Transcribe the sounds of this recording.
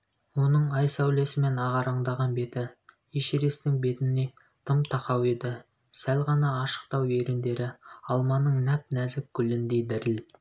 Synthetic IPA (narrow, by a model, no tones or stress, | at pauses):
wo̞nəɴɑjsæwle̞sɪme̞nɑʁɑɾɑɴd̪ɑʁɑnbe̞t̪ɪ | iʃeɾe̞st̪ɪŋbe̞t̪ɪnːe̞ | t̪ʰəmt̪ʰɑqɑwe̞d̪ɪ | sælʁɑnɑːʃə̥qt̪ɑwe̞ɾɪnd̪e̞ɾɪɑlˠmɑnəɴnæp̚næzɪkʲʰʏlɪnd̪e̞jd̪ɪɾɪl